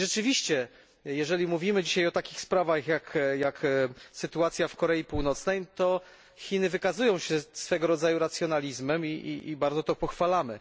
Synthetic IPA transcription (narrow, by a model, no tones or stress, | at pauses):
ʐɛt͡ʂɘvʲiɕt͡ɕɛ | jɛʐɛlʲimuvʲimɘd͡ʑiɕajɔt̪akʲixspɾavaxjakjaksɘt̪uat̪sʲjafkɔɾɛjipuwnɔt̪snɛjt̪ɔ | xʲinɘvɘkazujɔ̃w̃ɕɛsfɛɡɔɾɔd̪zajuɾat̪sʲjɔnalʲizmɛmiʔḭḭbaɾd̪zɔt̪ɔpɔxfalamɘ